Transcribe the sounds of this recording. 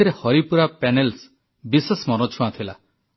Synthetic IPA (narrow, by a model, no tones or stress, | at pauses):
iɾehɔɾipuɾapenels | bisesmɔnɔt͡ʃʰuãt̪ʰila